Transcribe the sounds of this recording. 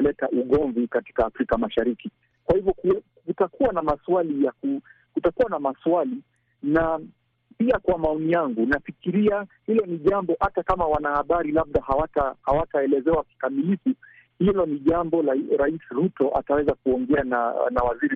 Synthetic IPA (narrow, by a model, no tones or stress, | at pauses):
lɛtaʔuɠɔɱvikati̥kaːfɾikamaʃaɾiki | kwahivjɔkɛkutakuwanamaswalijaku | kutakuwanamaswali | na | piakwamaɔnijaŋɡunafikiɾiahilɔniʄambɔhatakamawanahaɓaɾilab̚ɗahawatahawataɛlɛzɛwaki̥kamilifu | hilɔniʄambɔɾaisɾutɔʔa̰tawɛzakuɔŋɡɛananawaziɾi